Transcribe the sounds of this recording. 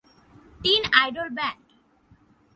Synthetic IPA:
t̪inajɖolbɛk

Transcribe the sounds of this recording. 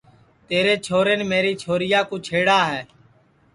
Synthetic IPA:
t̪eːɾeːt͡ʃʰoːɾeːnːmeːɾiːt͡ʃʰoːɾɪjaːkũːt͡ʃʰeːɽaːɦɛː

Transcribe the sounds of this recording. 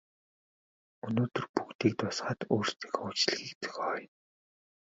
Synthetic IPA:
ɵnoːt̪ɵ̆rpukt̪iːk̚t̪ʊsχaːt̪oːrst̪ʰi̥ːkʊt͡ɕɮxiːkt̪ɵ̥xɔːj

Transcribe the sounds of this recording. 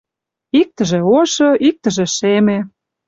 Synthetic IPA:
ik̚t̪ə̆ʒeoʃɤ̆ʔik̚t̪ə̆ʒĕʃeme

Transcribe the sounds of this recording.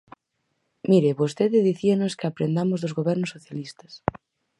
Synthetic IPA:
miɾɪβost̪eðɪðiθianoskɪapɾend̪amʊzðozɣoβɛɾnʊsːoθjalist̪ɐ̥s

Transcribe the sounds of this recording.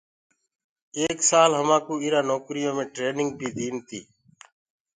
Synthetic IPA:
eːksaːlɦəmãːkuːiːɾãːnoːkɾɪjõːmẽːʈɾeːnɪŋɡ̚bʱiːd̪iːnt̪ḭː

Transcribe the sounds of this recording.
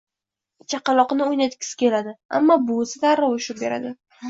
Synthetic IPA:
t͡ʃʰaqɑlˠɒqnɪojnat̪kʲʰɪ̥sɪ̥kʲe̞lad̪ɪa̰mːɒbʊsat̪aɾawʊʃʊɾ̚be̞ɾa̰d̪ɪ

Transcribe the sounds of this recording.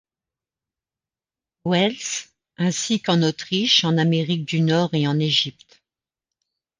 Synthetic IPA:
wɛls | ɛ̃sikɑ̃not̪χiʃɑ̃nameʁik̚d̪ynɔʁeɑ̃neʒipt̪

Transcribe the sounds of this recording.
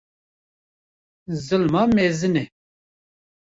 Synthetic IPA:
zɨlmɑmezɨnɛ

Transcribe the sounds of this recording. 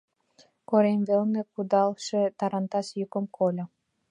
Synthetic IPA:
koɾemβelnĕkud̪ɑlʃĕt̪ɑɾɑnt̪ɑʃjykə̆mkʰolʲɤ̆

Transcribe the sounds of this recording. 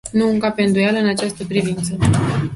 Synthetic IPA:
nuɨŋkapend̪ujalɨnat͡ʃast̪əpɾivint̪sə

